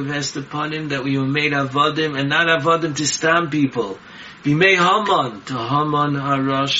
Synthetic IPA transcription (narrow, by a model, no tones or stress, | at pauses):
vɛstəpʰɔnɪ̃mðɨt̚wiwəmeɪɾavɔdɪ̃mɨ̃nːaɾavɔdɨ̃mtʰɨstãmpipl̩ˠ | b̥imeɪhɔmɔ̃ntʰəɦʌmɔnhəɹɔʃ